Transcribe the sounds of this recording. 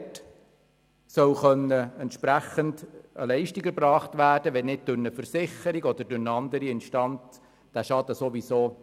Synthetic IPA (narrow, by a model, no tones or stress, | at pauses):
t | sœwχœnːəɛntʃpɾæχəndə̰lɛɪʃtiɡəɾbɾɑːχtʋæːrd̥əʋɛnnɪd̚d̥ʊɾnəfəɾsɪχəɾiɡɔd̪əɾdʊɾnəɑnd̪əɾiɪnʃtɑnt͡s | d̪̥æʃɑd̪əsoʋisoː